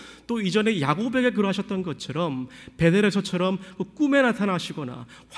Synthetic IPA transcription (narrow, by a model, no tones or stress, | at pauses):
t͈oid͡ʑʌne̞jaɡobe̞ɡe̞k̬ɯɾʌɦaɕʰʌt̚t͈ʌnɡʌt̚t͡ɕʰʌɾʌmpe̞deɾesʰʌt͡ɕʰʌɾʌmkɯk͈ume̞natʰanɦaɕʰiɡʌna̰